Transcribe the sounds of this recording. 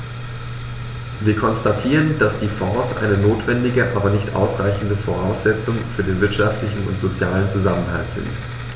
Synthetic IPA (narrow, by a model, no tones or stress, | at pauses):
viːɐkʰɔnstatʰiːʁ̞ənd̥asd̥iːfɔːsʔa̰ɪnənoːtv̥ɛndɪɡəʔaːbɐnɪçtʔa̰ʊsʁaɪçn̩dəfoʁ̞aʊsz̥ɛt͡sʊŋfyːɐdeːnvɪɐtʃaftlɪçn̩ʊ̰ntz̥ot͡sjaːlənt͡suzamənɦa̰ltz̥ɪ̰nt